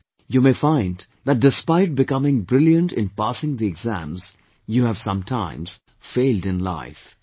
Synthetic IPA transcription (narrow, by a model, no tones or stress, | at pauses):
jumefãɪ̃nd | ðæʈ̚dɪspaɪʈ̚bɪkʌmɪ̃ŋbɾɪljə̃nʈɪ̃npasɪ̃ŋd̪iɛɡzæ̰̃mz̥ | juhæv̥sʌ̃mtʰã̰ɪ̃mz̥ | feɪldɪ̃nla̰ɪf